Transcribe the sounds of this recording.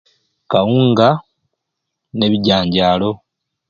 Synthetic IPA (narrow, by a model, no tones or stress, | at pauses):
kawuːŋɡa | ne̞βiɟaːɲɟaːlo̞